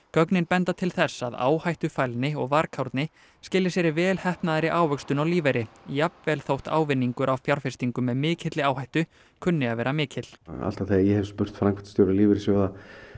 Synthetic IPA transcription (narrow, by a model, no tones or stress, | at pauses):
kœknɪnpɛnt̪at̪ʰɪlθɛsːaða̰ːwhajht̪ʏfajlnɪɔɣvaɾkʰawɾt̪nɪ | scɪːlːɪsjɛːɾɪvɛːlhɛhpnaðɾɪʔaːwœkst̪ʏnawliːvajɾɪjapvɛːlθowht̪a̰ːwvɪnːiŋkʏɾʔawfjaɾ̥fɪrst̪iŋkʏmɛðmɪːcʰɪt̪lɪaːwhajht̪ʏ | kʰʏnːɪaðvɛːɾamɪːcʰɪt̪l̥a̰l̥t̪aθeajɛhɛvspʏr̥t̪fɾaŋkʰvɛ̥t̪st̪jowɾaliːvɪɾɪsjœwða